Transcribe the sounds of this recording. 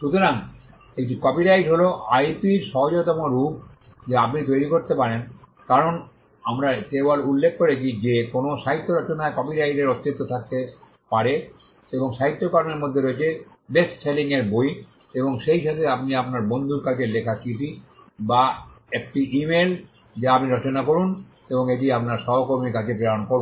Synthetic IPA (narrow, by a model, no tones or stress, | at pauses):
ʃut̪oɾaŋ | eʈikɔpiɾajɖɦoloajpiɾʃɔɦod͡ʑot̪ɔmoɾup̚ | d͡ʑeap̬nit̪ojɾikoɾt̪epaɾen | kaɾon | amɾakebolulːek̚ʰːoɾet͡ɕʰid͡ʑekonoʃaɦit̪ːoɾɔt͡ɕonaekɔpiɾajɖeɾot̪ːet̪ːot̪ʰak̚t̪e | paɾe | eboŋʃaɦit̪ːokaɾoneɾmod̪ʱːeɾoet͡ɕʰe | bessʰeliŋeɾboj | eboŋʃejʃat̪ʰeapniapnaɾbond̪ʱuɾkad͡ʑeɾlekʰakiʈibaɛk̚ʈiʔimel | d͡ʑaapniɾɔt͡ɕonakoɾun | eboŋeʈ̬iapnaɾʃɔɦokoɾmikad͡ʑʰepɾeɾaonkoɾ